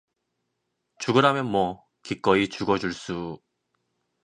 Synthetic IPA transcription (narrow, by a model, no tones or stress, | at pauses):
t͡ɕuɡɯɾɦamjʌnmwʌ | kik͈ʌit͡ɕuɡʌd͡ʑuɭs͈u